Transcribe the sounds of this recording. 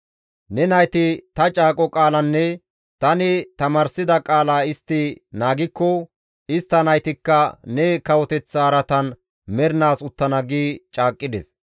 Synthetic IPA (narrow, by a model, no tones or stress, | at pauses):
nɛnɐjt̪ɪt̪ɐt͡ʃʼaːkʼɔkʼaːlɐnːɛ | t̪ɐnɪt̪ɐmaːɾsɪd̪ɐkʼaːlaːɪst̪ːɪnaːɡɪkːɔ | ɪst̪ːɐnɐjt̪ɪkːɐnɛkɐwɔt̪ɛt͡sːaːɾɐt̪ɐn | mɛɾnaːsʊt̪ːɐnɐɡiːt͡ʃʼaːkʼːɪd̪ɛs